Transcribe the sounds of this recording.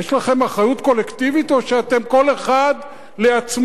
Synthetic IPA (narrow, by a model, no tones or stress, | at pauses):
jeʃlaχe̞maχajut̪ko̞le̞kt̪ivit̪o̞ʃeat̪e̞mko̞le̞χad̪ | le̞at͡sm